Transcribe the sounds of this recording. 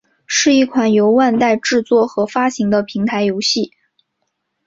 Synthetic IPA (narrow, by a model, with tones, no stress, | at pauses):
ʂɻ̩˥˧i˥˩kʰwa˨˩njo˧˥ʊwa˥˧nt̪a˥˧ɪʈ͡ʂɻ̩˥˧t͡swɔ˥˩xɤ˧˥fa˥ɕi˧˥ŋd̪ə˧pʰi˧˥ŋt̪ʰa˧˥ɪjo˧˥ʊɕi˥˩